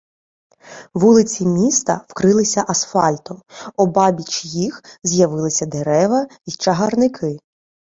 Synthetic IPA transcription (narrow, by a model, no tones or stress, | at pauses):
ʋulˠɪt͡sʲimʲist̪ɐ̰wkɾɪlˠɪsʲɐʔɐsfɑlʲt̪ɔmɔbɑbʲit͡ʃjixzʲjɐʋɪlˠɪsʲɐd̪eɾɛʋɐit͡ʃɐɦɐrnɪkʰɪ